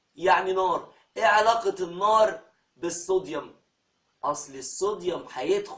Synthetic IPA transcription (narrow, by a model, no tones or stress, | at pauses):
jaʕninɑːɾˤ | ʔeʕalɑːqɑt̪nːɑːɾˤ | bɪsˤːod̪jɑm | ʔɑsˤlisˤːod̪ˤjɑmħajed̪x